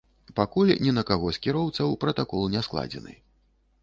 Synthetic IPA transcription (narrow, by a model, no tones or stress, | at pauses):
pakulʲnʲɛnɐkaɣɔsʲkʲiɾɔwt̪sɐwpɾɐt̪akɔlˠnʲɛsklˠa̰d͡zʲɛ̰nɨ̰